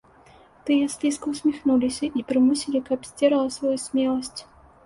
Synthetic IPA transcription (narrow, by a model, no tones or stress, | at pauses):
t̪ɨjɛslʲiskəʊsʲmʲɪxnulʲɪsʲɐʔipɾɨmɨsʲilʲɪkapsʲtʲeɾəlˠəsvɔjusʲmʲelˠəsʲtʲ